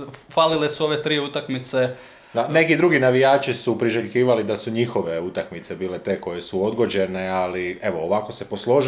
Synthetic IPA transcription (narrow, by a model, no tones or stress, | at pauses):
falilesuo̞ʋet̪ɾiːut̪akmit̪se | ane̞kid̪ɾuɡinaʋijaːt͡ʃisupɾiʒeʎkiːʋalid̪asuɲixo̞ʋe̞ut̪akmit̪se̞biːle̞t̪e̞ːko̞je̞suo̞d̪ɡo̞d͡ʑe̞ne̞alie̞ʋo̞ːʋako̞se̞po̞slo̞ʒ